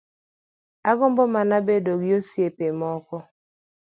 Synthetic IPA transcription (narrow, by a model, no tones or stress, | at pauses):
aɡɔmbɔmanabedoɡiosjepemɔkɔ